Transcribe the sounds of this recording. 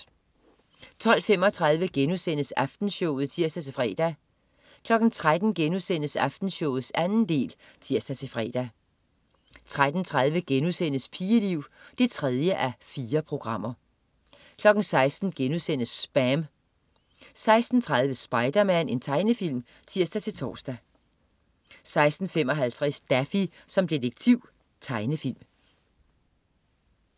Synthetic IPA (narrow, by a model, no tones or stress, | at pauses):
t͡sʰɒ̽l̰fem̰ɒ̽t͡sʰʁɑ̈ð̞ˠʋəɡ̥enusen̰əsæfd̥n̩ɕɔʊð̞̩ˠt͡sʰiɐ̰sd̥æt͡sʰe̝fʁɛ̰ːd̥æ | kʰlɒ̽ɡ̥n̩t͡sʰʁad̥n̩ɡ̥enusen̰əsæfd̥n̩ɕɔʊ̰ð̩ˠsænn̩d̥e̝̰ːl | t͡sʰiɐ̰sd̥æt͡sʰe̝fʁɛ̰ːd̥æ | t͡sʰʁad̥n̩t͡sʰʁaðˠʋəɡ̥enusen̰əspʰiːəliʊ̰d̥e̝t͡sʰʁɛð̞ˠjəʔæfiːɐpʰʁo̝ɡ̥ʁɑ̈m̰ɐ | kʰlɒ̽ɡ̥n̩sɑ̈ɪsd̥n̩ɡ̥enuðˠsen̰əsːb̥æm | sɑ̈ɪsd̥n̩t͡sʰʁäð̞ˠʋəsb̥ɑ̈ɪd̥ɐmæn̰e̝nt͡sʰɑ̈ɪnəfil̰m | t͡sʰiɐ̰sd̥æt͡sʰe̝lt͡sʰɒ̰ːsd̥æ | sɑ̈ɪsd̥n̩fem̰ɒ̽ɦælt͡sʰʁɛsd̥æfisɒ̽md̥e̝d̥eɡ̥̚t͡sʰiʊ̰ | t͡sʰɑ̈ɪnəfil̰m